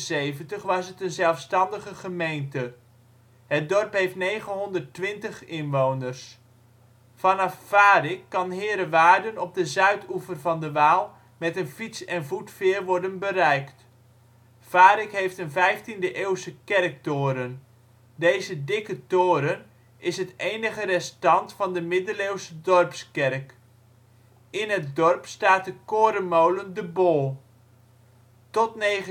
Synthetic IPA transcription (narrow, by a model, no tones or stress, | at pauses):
sejvəntəχʋɑsətənzɛlˠfstɑndəχəχəmejntə | hət̚dɔrpɦejftnejχənɦɔndərtʋɪntəχɪnʋownərs | fɑnɑfːaːrɪkːɑnɦɪːɾəʋaːrdənɔb̚dəzœɥtufərvɑndəʋaːlˠ | mɛtənfitsɛnvutfɪːrʋɔɹdənbəɾɛjkt | faːɾɪkɦejftənvɛjftindəʔeːwsəkɛrk̚toːɾən | dejzədɪkətoːɾən | ɪsɦətejnəχərɛstɑntfɑndəmɪdəlewsədɔrpskɛrk | ɪnɦət̚dɔrpstaːtəkoːɾənmowləndəbolˠ | tɔtnejχ